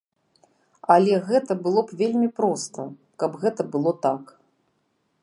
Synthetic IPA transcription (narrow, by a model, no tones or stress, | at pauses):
ɐlʲɛɣɛt̪ɐbɨlˠɔpvʲelʲmʲipɾɔst̪ɐ | kɐbɣɛt̪ɐbɨlˠɔt̪ak